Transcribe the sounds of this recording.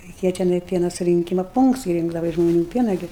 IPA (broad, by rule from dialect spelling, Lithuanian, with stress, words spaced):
rʲɛɪˈkʲeːjɛ tʲɛˈnɐɪ ˈpʲiɛnɐ sʊrʲɪŋʲˈkʲiːmɐ ˈpuːŋkts ɪ ˈrʲɪŋɡdɐʋɐ ɪʃ ʒmoːˈnʲuː ˈpʲiɛnɐ ˈɡʲɪ